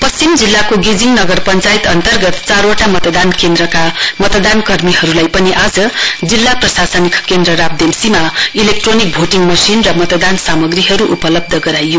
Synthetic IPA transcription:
pʌst͡simd͡zilːakoɡid͡ziŋnʌɡʌrpʌnt͡sait̪ʌnt̪ʌrɡʌt̪t͡saɾoʈamʌt̪d̪ankend̪ɾʌkamʌt̪ʌd̪ankʌrmihʌɾulajpʌniʔad͡zʌd͡zilːaprʌsasʌnikʰkend̪ɾʌɾab̚d̪emsimailek̚ʈronik̚bʱoʈiŋmʌsinrʌmʌt̪ʌd̪ansamʌɡriɦʌɾuʔupʌlʌb̚d̪ʱʌɡʌɾajːo

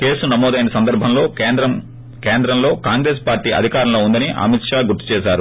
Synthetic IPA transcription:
keːsunɐmɔːd̪ɐjnɐsɐnd̪ɐɾbʱɐmlo̞ːnd̪ɾɐm | keːnd̪ɾɐmlo̞ːkaːŋɡɾe̞ːspaːɾʈiːʔɐ̰d̪ʱikaːɾɐmlo̞ːund̪ɐniʔɐ̰mit̪ʂaːɡuɾt̪ːu̥t͡ʃɛːʃaːɾu

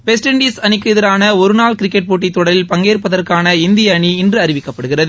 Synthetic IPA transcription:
ʋɛs̬ʈɛɳɖiːsɐnɪkːɯɪðɐɾaːnɐɔɾɯnaːlkɪɾɪkːɛʈ̚poːʈ̬ːit̪ːɔɽɐlɪlpɐŋɡeːrpːɐðɐrkaːnɐɪnd̪ɪjɐːɳiɪndrɯɐɾɪʋɪkːɐpːɐɽɯɣɪrɐðɯ

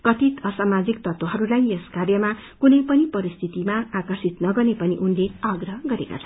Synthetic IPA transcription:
kʌt̪it̪ʌsamad͡zikt̪ʌt̪oɦʌɾulajeskarjʌmakunʌjpʌnipʌɾist̪ʰit̪imaːkʌrsit̪nʌɡʌrnepʌniʔunleaɡrʌɦʌɡʌɾeka̰t͡sʰa

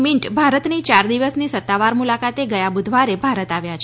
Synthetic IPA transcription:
miɳʈbʱaɾət̪nit͡ʃaɾd̪iʋəsnisət̪ːaʋaɾmulakat̪eɡəjabud̪ʱʋaɾebʱaɾət̪aʋjat͡ʃʰ

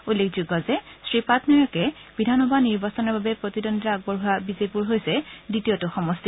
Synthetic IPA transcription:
ulːekʰd͡ʒuɡɔzɛsɹipatnɔjɔkɛbidʱanɔbaniɹbasɔnɔɹbabɛpɹotidɔnditaaɡ̚bɔɹɦʊabizepuɹɦojsɛditiotʊxɔmɔsti

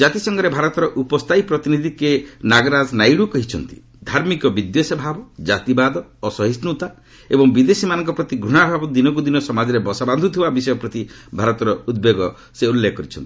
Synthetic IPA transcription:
d͡ʒat̪isɔŋɡɔɾebʱaɾɔt̪ɔɾɔʔupɔst̪ʰaipɾɔt̪inid̪ʱikenaɡɾad͡ʒnajɽukɔɦit͡ʃʰɔnt̪i̥̰ | d̪ʱaɾmikɔbid̪josɔbʱabɔd͡ʒat̪ibad̪ɔːsɔɦisnut̪a | ebɔŋbid̪esimanɔŋkɔpɾɔt̪iɡɾuɽ̃abʱabɔd̪inɔk̬ud̪inɔsɔmad͡ʒɔɾebɔsaband̪ʱut̪ʰibabisɔjɔpɾɔt̪ibʱaɾɔt̪ɔɾɔud̪̚beɡɔ | seulːekːkɔɾit͡ʃʰɔnt̪i

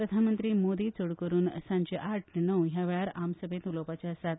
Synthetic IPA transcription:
pɾəd̪ʱanmənt̪ɾiːmod̪iːt͡soɽkəɾuːnsãɲd͡ʑeʔaʈʰnəwɦjaʋɛɭaɾamsəbʱet̪ulopat͡ɕjasat̪

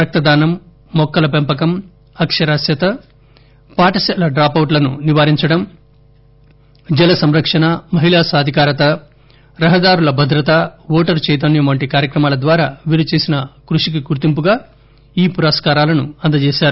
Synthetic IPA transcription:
pɾɐk̚t̪ɐd̪aːnɐmː | ɔkːɐlɐpempɐkɐm | ɐkʂɐɾaːsjɐt̪ɐ | paːʈɐsɛlɐɖɾaːpɐwʈlɐnuniʋaːɾiɲt͡ʃɐɽɐm | d͡ʒɛlɐsɐmɾɐkʂɐnɐmɐɦiɭaːsaːd̪ʱikaːɾɐt̪ɐ | ɾɐɦɐd̪aːɾulɐbʱɐd̪ɾɐt̪ɐʋɔːʈɐɾt͡ʃɛjt̪̬ɐnjɐmʋɐɳʈikaːɾjɐkɾɐmaːlɐd̪ʋaːɾaːʋiɾit͡ʃeːsinɐkɾuʂik̬iɡuɾt̪impuɡaː | iːpuɾɐskaːɾaːlɐnuɐnd̪ɐt͡ʃeːʃaːɾu

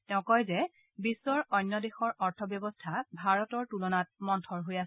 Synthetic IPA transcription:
tɛʊ̃kɔjzɛ | bisːɔɹɔjnːɔdexɔɹɔɹtʰɔbjɔbɔstʰabʱaɹɔtɔɹtulɔnat̚mɔntʰɔɹɦojas

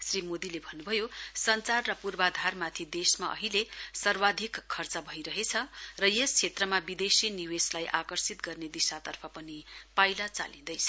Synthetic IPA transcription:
srimod̪ilebʱʌnːubʱʌjosʌnt͡sarrʌpurbad̪ʱarmat̪ʰid̪esmaʔʌ̰ɦilesʌrwad̪ʱikʰːʌrt͡sʌbʱʌijɾʌɦet͡sʰʌrʌjest͡sʰet̪rʌmabid̪esiniweslajʔakʌrsit̪ɡʌrned̪isat̪ʌrpʰʌpʌnipajlat͡sa̰lĩd̪ʌjt͡sʰʌ

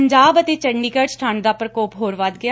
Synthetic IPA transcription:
ɲd͡ʒaːbət̪eːt͡ʃəɳɖiːkəsʈʰãːɳd̪aːpɾəkoːpɦoːɾʋad̪ɡɪjaː

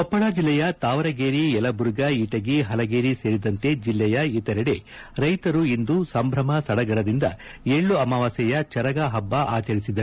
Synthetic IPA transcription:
ɔpːɐɭaːd͡ʒilːɛjɐt̪aːʋɐɾɐɡeːɾiɛlɐbuɾuɡɐiʈɐɡeɦɐlɐɡeːɾise̞ːɾid̪ɐnt̪ed͡ʒilːɛjɐit̪ɛɾɐɽe̞ | ɾɐjt̪ɐɾuind̪usɐmbʱɾɐmɐsɐɽɐɡɐɾɐd̪ind̪ɐ | eɭːuɐmɐʋasɛjɐt͡ʃɐɾɐɡaɦɐbːɐʔaːt͡ʃɐɾisid̪ɐu

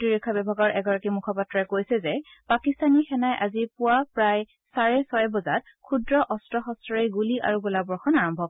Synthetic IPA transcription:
tɹiɹikʰːɔbɛbʱaɡɔɹʔɛɡɔɹakimukʰɔpatːɹɔɛkojsɛzɛpakistanixɛnajʔazipʊwapɹaj | saɹɛsɔjbɔzat̚ | kʰudɹɔʔɔstɹɔxɔstɔɹejɡuliʔa̰ɹuɡulabɔɹxɔnaɹɔmbʱɔk̚

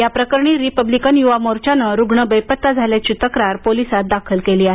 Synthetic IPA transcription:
japɾəkəɾɳiːɾipəblikənjuʋamoɾt͡ɕanəɾuɡɳəbəjpət̪ːad͡zʱaljat͡ɕit̪əkɾaɾpolisat̪̚d̪akʰəlkeliːaɦe

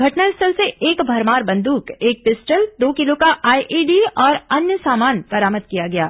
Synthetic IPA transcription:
ɡʱɐʈnəlsʈəlseʔeːkbʱɐɾmaːɾbɐ̃nd̪uːkeːk̚pɪsʈəld̪oːkɪlokaʔaːiʔiːɖiːɔːɾɐnjəsaːmaːnbɐɾaːməd̪̚kijaɡɐja̰ː

